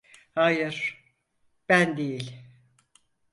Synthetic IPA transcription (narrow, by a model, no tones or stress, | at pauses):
hajɯɾ̥ | b̥ænd̪ejilʲ